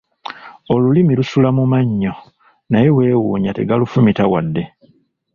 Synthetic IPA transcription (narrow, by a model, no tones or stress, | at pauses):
olulimilusulamumaɲːo | najewe̞ːwuːɲate̞ɡalufumitawadːe̞